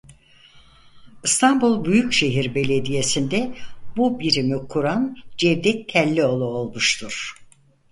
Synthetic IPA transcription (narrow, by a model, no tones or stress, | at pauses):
ɯst̪ʰanbulˠbyjycʃe̞ɦiɾbe̞lʲe̞d̪ije̞sind̪ɛbubiɾimikʰuɾand͡ʒɛvd̪ɛt̪ʰːɛlʲːio̞lˠuolˠmuʃt̪ʰuɾ̥